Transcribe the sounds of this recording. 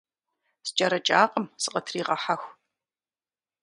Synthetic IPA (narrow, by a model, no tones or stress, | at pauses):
st͡ʃʼɐɾɐt͡ʃʼaːqʼəmsɨqʼɐtʰriːʁɐħaxʷ